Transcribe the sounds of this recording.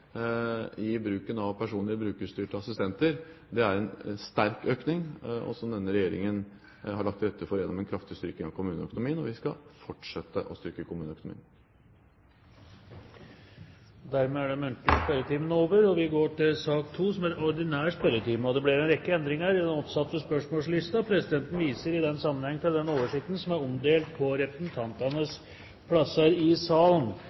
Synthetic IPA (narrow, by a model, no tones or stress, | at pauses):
ɪbɾʉːkənɑʋpʰæʂuːnəɾbɾʉːkəʂt̪yːʈəɑsɪst̪ɛnt̪əɾ | d̪ɛæɾɛnst̪æɾkøːknɪŋɔ̰sɔmd̪ɛnːəɾɛjeːɾɪ̰ŋən | hɑɭɑk̚t̪ɾɛt̪ːəfɔɾjɛnːɔmɛnkʰɾɑft̪ɪst̪ʏɾkɪŋɑʋkʰʊmʉːnəœkʊnʊmiːənɔʋɪskɑfɔʈʂɛt̪ːəʔɔst̪ʏɾkəkʰʊmʉːnəœkʊnʊmḭːn | d̪æɾmeːæɖɛmʉnt̪lɪspɛɾət̪ʰiːmənoːʋəɾɔʋɪɡoːʈɪlsɑːkt̪ʰuːsɔmæɾɔɾɖɪnæːspɛɾət̪ʰiːmɔd̪ɛblɪɾɛnɾɛkːəɛnd̪ɾɪŋəɾɪd̪ɛnɔpsɑt̪ːəspœʂmoːlslɪst̪ɑpʰɾɛsɪd̪ɛnt̪n̩ʋiːsəɾɪd̪ɛnːsɑmːənhɛŋːfɛld̪ɛnoːʋəʂɪk̚t̪n̩sɔmæɾɔmd̪eːlt̪̚pʰɔɾɛpɾəsn̩t̪ʰɑnt̪ɑnəs | pʰlɑsːəɾɪsɑːln